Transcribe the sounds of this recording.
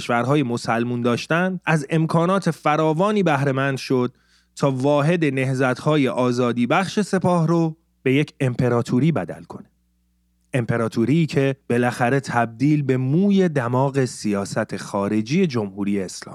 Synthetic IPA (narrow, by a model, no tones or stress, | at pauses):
ʃvæɾɦɒːje̞mo̞sælmund̪ɒːʃt̪ænd̪ʔæze̞mkʰɒːnɒːt̪ʰe̞fæɾɒːvɒːniːbæhɾe̞mænd̪ʃo̞d̪̚ | t̪ʰɒːvɒːɦe̞d̪e̞ne̞hzæt̪ʰhɒːje̞ʔɒːzɒːd̪iːbæχʃe̞se̞pʰɒːhɾo | b̥e̞jecʰe̞mpʰe̞ɾɒːt̪ʰuɾiːbæ̰d̪æ̰lkʰo̞ne | empʰe̞ɾɒːt̪ʰuːɾiːcʰe̞b̥e̞læxæɾe̞t̪ʰæb̚d̪iːlbe̞muːje̞d̪æmɒːɣe̞sijɒːsæt̪ʰexɒːɾe̞d͡ʒiːje̞d͡ʒo̞mhuːɾiːjeːslɒ̰ːmi